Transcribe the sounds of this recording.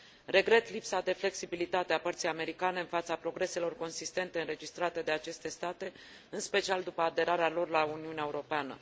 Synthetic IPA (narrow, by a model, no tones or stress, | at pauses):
ɾe̞ɡɾe̞t̪lipsad̪e̞fle̞ksibilit̪at̪eapərt̪sijame̞ɾikane̞ɨnfat̪sapɾo̞ɡɾe̞se̞lo̞rko̞nsist̪e̞nt̪e̞ɨnɾe̞d͡ʒist̪ɾat̪e̞d̪e̞at͡ʃe̞st̪e̞st̪at̪e̞ | ɨnspe̞t͡ʃiald̪upəad̪e̞ɾaɾealo̞rlauniuneaeuɾo̞peanə̰